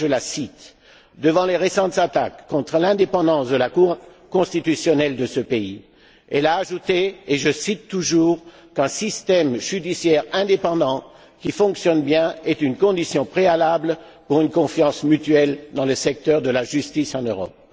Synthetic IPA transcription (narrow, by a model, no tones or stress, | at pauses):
ʒəlasit̪ | d̪əvɑ̃leʁesɑ̃t̪zat̪akːɔ̃t̪χəlɛ̃d̪epɑ̃d̪ɑ̃sd̪əlakuʁ | kɔ̃st̪it̪ysjɔnɛld̪əsəpei | ɛlaːʒut̪eːʒəsit̪ːuʒuːʁ | kɛ̃sist̪ɛmʒyd̪isjɛʁɛ̃d̪epɑ̃d̪ɑ̃ | kʲifɔ̃ksjɔnbjɛ̃ɛt̪ynkɔ̃d̪isjɔ̃pχealabl | puʁynkɔ̃fjɑ̃smyt̪ɥɛld̪ɑ̃ləsɛk̚t̪œʁd̪əlaʒyst̪isɑ̃nøʁɔ̰p̚